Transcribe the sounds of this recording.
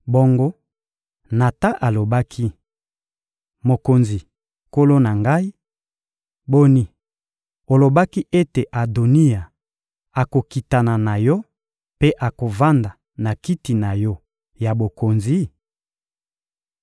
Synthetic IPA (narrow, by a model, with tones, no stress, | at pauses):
bo˦ŋɡo˦ | na˨ta˦ʔa˨lo˨ba˦kʰi˦ | mo˨ko˨nzi˨ | ko˦lo˦na˨ŋɡa˦i˦ | bo˦ni˨ | o˨lo˨ba˦ki˦ʔe˦te˨ʔa˨do˨ni˦a˨ | a˨ko˨ki˨ta˨na˨na˨jɔ˦ | pe˦ʔa˨ko˨va˦nda˨ | na˨ki˦ti˨na˨jɔ˦ | ja˨bo˨ko˨nzi˨˦